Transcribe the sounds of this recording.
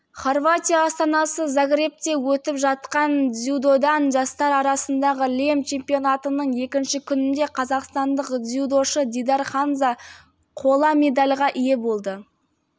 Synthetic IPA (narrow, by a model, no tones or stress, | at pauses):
χo̞rvat̪ʲijaːst̪ɑnɑsəzaɡɾʲep̚t̪e̞wɵt̪ɪpʒɑt̪qɑnzʲjud̪o̞d̪ɑnʒɑst̪ɑɾɑɾɑsənd̪ɑʁəle̞mt͡ʃʰe̞mpijo̞nat̪ənəɴe̞kʲɪnʃɪkʲʰʏnɪnd̪e̞qʰɑzɑqst̪ɑnd̪əqzʲjud̪o̞ʃəd̪ʲid̪aɾχɑnza | qʰo̞lˠɑme̞d̪alʲʁɑʔije̞bo̞lˠd̪ə